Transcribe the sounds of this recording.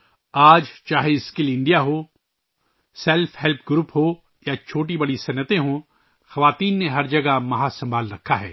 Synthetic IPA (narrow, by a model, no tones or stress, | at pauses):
aːd͡ʒt͡ʃaːɦeɪskɪlɪ̃ɳɖijaɦo | sɛlfʰhɛlp̚ʰɡɾuːpɦo | jat͡ʃʰoːʈ̬ibɐɽisɐnːət̪ẽɦo | xɐʋaːt̪iːnːeɦɐɾd͡ʒɐɡamɐɦasɐ̃mbʱaːlɾɐkʰːaɦɛ̰ː